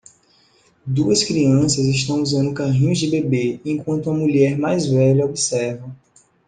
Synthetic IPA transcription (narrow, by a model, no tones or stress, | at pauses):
d̪uɐskɾiɐ̃sɐzɪʃt̪ɐ̃w̃uzɐ̃nd̪ʊkaɦĩɲʊzd͡ʒɪbebeẽkwɐ̃nt̪uɐmuʎɛɾmajzvɛʎɐobisɛɾvɐ̃w̃